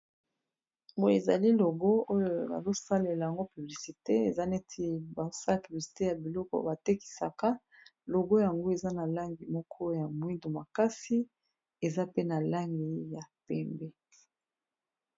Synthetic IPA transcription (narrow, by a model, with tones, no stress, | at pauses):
bo˦˨e˨za̰˨li˦lo˨ɡɔ˦o˦jo˨na̰˨zo˦sa˦le˨la˨ja˨ŋɡo˦py˨bli˨si˨te˦e˨za˦ne˦tʰi˦ba˨o˦sa˦la˨py˨bli˨si̥˨te˦ja˨bi˨lɔ˦kɔ̰˨ba˨te˦ki̥˨sa̰˨ka˦ | lo˨ɡo˦ja˨ŋɡo˦e˨za˦na˨la˦ŋɡi˨mɔ˦kʰɔ˦ja˨mwi˦ndo˨ma˨ka˦si˦ | e˨za˦pe˦na˨la˦ŋɡi˨ja˨pɛ˦mbɛ˦